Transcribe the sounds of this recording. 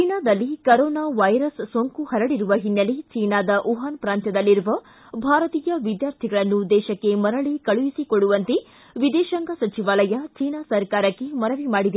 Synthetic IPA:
t͡ʃt͡ʃiːnaːd̪ɐlːikɐɾɔːnaːʋɐjɾɐssoŋkuhɐɾɐɽiɾuʋɐɦinːɐlit͡ʃiːnaːd̪ɐʔuɦaːnpɾaːnt̪jɐd̪ɐlːiɾuʋɐ | bʱaːɾɐt̪iːjɐʋid̪jaːɾt̪ʰiɡɐɭɐnːud̪ɛːʃɐkːe̞mɐɾɐɭikɐɭujisikoɽuʋɐnt̪e | ʋid̪ɛːʃɐŋɡɐsɐt͡ʃiʋaːlɐjɐt͡ʃiːnaːsɐɾkaːɾɐkːe̞mɐɾɐʋimaːɽid̪e

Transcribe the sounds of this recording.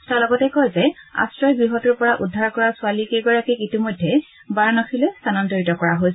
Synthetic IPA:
talɔɡɔtɛkɔjzɛa̰stɹɔjbɹiɦɔtuɹpɔɹaʔudʱːaɹkɔɹasʊalikeɡɔɹakiitimojdʱːɛ | baɹnɔkʰilestʰanantoɹitɔkɔɹaɦojs

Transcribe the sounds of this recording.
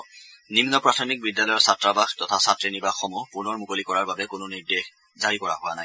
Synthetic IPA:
nimnɔpɹatʰɔmik̚bidjalɔjɔsatɹabaxtɔtʰasatɹenibaxɔmupunɔɹmukolikɔɹaɹbabɛkʊnʊniɹdex | zaɹikɔɹa̰ɦʊwanaj

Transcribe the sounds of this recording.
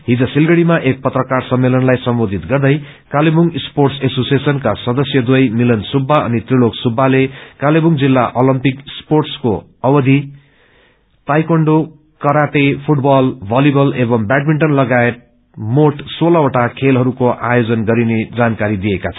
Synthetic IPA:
ɦid͡zʌsilɡʌɽimaʔek̚pʌt̪rʌkarsʌmːelʌnlajsʌmbod̪ʱit̪ɡʌrd̪ʌj | kalebuŋsporʈsesosiesʌnkasʌd̪ʌsjʌd̪wʌjmilʌnsubʱːaʌ̰nit̪riloksubʱːalekalebuŋd͡zilːaʔolʌmpiksporʈsko | ʌbʌd̪ʱi | t̪ajkʌɳɖo | kʌɾaʈipʰuʈbʌlbʱalibʌlebʌmbaɖ̚miɳʈʌnlʌɡaet̪̚ | moʈsolaoʈakʰelɦʌɾukoʔajod͡zʌnɡʌɾined͡zankaɾid̪ijekat͡sʰʌ

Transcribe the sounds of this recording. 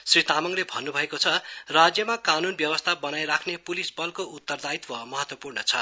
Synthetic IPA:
srit̪amʌŋlebʱʌnːubʱʌekot͡sʰʌrad͡zjʌmakanunbjʌwʌst̪ʰabʌnajɾakʰnepulisbʌlkout̪ːʌrd̪ait̪wʌmʌɦʌt̪wʌpurnʌt͡sʰʌ̰

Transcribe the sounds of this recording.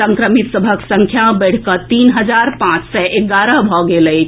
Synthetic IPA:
ə̃ŋkɾəmit̪səbʱəksə̃ŋkʰjabəɽ̤kət̪iːnɦəd͡ʒaɾpãt͡ʃsɛʔeɡaɾəbʱɔɡeləi

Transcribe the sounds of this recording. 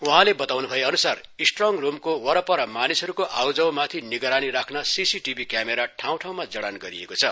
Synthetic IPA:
uɦãlebʌt̪awnubʱʌjeʌnusarisʈrʌŋrumkowʌɾʌpʌɾʌmanisʌɾukoʔawd͡zʌwmat̪ʰiniɡʌɾaniɾakʰnʌsisiʈibʱikjameɾaʈʰaw̃ʈʰaw̃mad͡zʌɽanɡʌɾiḛkot͡sʰʌ

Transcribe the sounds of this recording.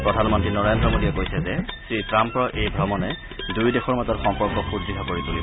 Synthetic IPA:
pɹɔdʱanmɔntinɔɹejndɹɔmodiɛkojsɛzɛsɹitɹampɹɔʔejbʱɹɔmɔnɛ | dujdexɔɹmazɔtxɔmpɔɹkɔxudɹiɦʰakoɹituli

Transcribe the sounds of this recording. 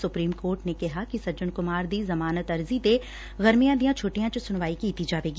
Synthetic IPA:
sʊpɾiːmkoːɾʈnekɐɦakisɐd͡ʒʊnkʊmaːɾd̪iːzɐmaːnət̪ɐɾzid̪e | ɣɐɾmijãd̪ijãt͡ʃʰoːʈijãt͡ʃɐsʊnʋaːikiːt̪id͡ʒaːʋeːɡi

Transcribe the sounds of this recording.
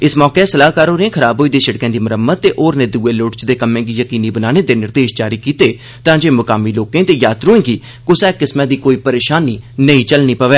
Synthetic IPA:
ɪsmɔːkeːsəlaːɦkaːɾoːɾẽːkʰəɾaːbɦoːiːd̪eːsəɽkɛ̃ːd̪iːməɾəmət̪̚ːeːʔoːɾnẽːd̪uːeːloːʈt͡ʃd̪eːkəmẽːɡiːjəkiːniːbənaːneːd̪eːnɪɾd̪eːʃd͡ʒaːɾiːkiːt̪eː | t̪ãːd͡ʒeːmʊkaːmiːloːkẽːt̪eːjaːt̪ɾuːẽːɡiː | kʊsɛːkːɪsmãːd̪iːkoːiːpəɾeːʃaːnːiːnəĩːt͡ʃəlniːpəʋɛː

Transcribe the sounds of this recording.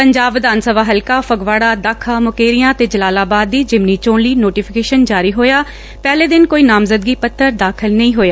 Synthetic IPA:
pəɲd͡ʒaːbʋɪd̪aːnsəbaːɦəlkaːpʰəɡʋaːɽaːd̪aːkʰaːmʊkeːɾɪjãːt̪eːd͡ʒəlaːlaːbaːd̪ːiːd͡ʒɪmniːt͡ʃõːɳliːnoːʈiːpʰɪ̥keːʃənd͡ʒaːɾiːɦoːjaː | pɛːleːd̪ɪnkoːiːnaːmzəd̪̚ɡiːpət̪ʰːəɾd̪aːkʰɪlnəĩːɦoːjaː

